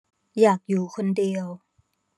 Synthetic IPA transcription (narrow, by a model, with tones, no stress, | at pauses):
jaː˨˩k̚juː˨˩kʰo˧ndi˧əw